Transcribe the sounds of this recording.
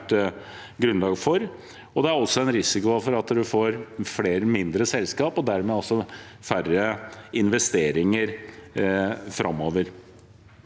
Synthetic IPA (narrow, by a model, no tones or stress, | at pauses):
ʈ | ɡɾʉnlɑːɡfɔɾ | ɔd̪ɛæɾɔsːɔɛnɾɪsɪkʊɑfɔɾɑt̪d̪ʉfoːɾfɽeːɾəmɪnd̪ɾəsɛlskɑːpɔd̪æɾmeːɔsːɔ | færəɪnʋɛst̪eːɾɪŋəɾ | fɾɑ̰moːʋəɾ